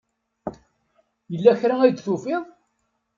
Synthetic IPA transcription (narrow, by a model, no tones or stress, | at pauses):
jəlːæçɾææd̪θufɪðˤ